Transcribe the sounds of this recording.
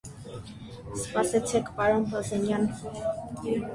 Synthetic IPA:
spɑsɛt͡sʰɛkʰpɑɾɔnɦɔzɛnjɑn

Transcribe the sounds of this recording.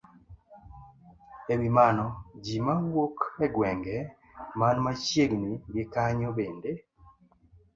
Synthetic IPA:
ewimanɔd͡ʒimawokɛɡwɛŋɡɛ | manmaʃjeɡnwiɡekaɲɔbende

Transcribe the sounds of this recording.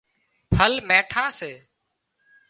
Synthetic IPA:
pʰəlmeːʈʰaːseː

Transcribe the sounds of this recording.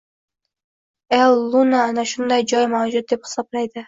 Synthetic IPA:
elˠːunaːnaʃʊnd̪ajd͡ʒɒjmawd͡ʒʊt̪̚d̪e̞phɪ̥sɒblajd̪ɪ

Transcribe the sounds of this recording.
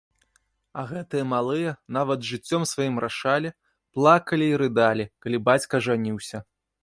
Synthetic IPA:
ɐɣɛt̪ɨjɐmalˠɨjɐnavɐd̪ʐɨt͡sʲːɔmsvajimɾʔaʂalʲi | plˠakɐlʲiːɾɨd̪alʲikalʲibat͡sʲkɐʐanʲiwsʲɐ

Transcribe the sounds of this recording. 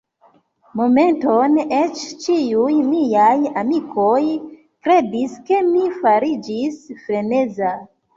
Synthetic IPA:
mo̞me̞ntone̞t͡ʃt͡ʃiujmijajamikʰo̞j | kɾe̞diske̞mifaɾid͡ʒisfɾe̞ne̞za

